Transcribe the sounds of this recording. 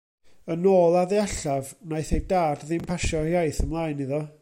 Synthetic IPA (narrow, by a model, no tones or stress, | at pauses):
ənoːlˠaðɛaɬavnajθejdaːrdðɪmpʰaʃɔjajθəmlˠaːjniðɔ